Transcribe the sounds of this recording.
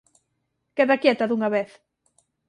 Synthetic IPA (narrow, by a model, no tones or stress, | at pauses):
kɛðakjɛt̪ɐðuŋaβeθ